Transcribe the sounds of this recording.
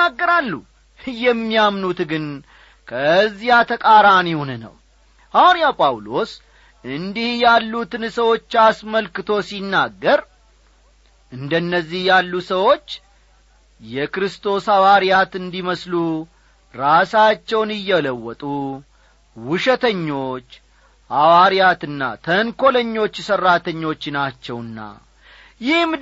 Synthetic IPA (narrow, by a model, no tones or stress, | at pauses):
aɡːəɾalːṵ | jɛmːijamnut̪ɡɨn | kʰəzːijat̪ʰəkʼaɾanihunnə̰w | ʔawɾijawpʼawlo̞s | ʔɨnd̪ihjalːut̪ɨnsəwo̞t͡ʃːasməlkɨt̪ʰo̞sinːaɡːəɾ | ʔɨnd̪ənːəzːihjalːusəwo̞t͡ʃː | jɛkɾɨst̪ʰo̞sawaɾjat̪ɨnd̪iməslu | ɾasat͡ʃːɛwnɨjːɛləwːɔt̪ʼu | wʊʃɛt̪ʰəɲːo̞t͡ʃː | ʔawaɾijat̪ɨnːa̰t̪ʰənkʰo̞ləɲːo̞t͡ʃːsərːat̪ʰəɲːo̞t͡ʃːnat͡ʃːɛwɨnːa̰ | jɪhm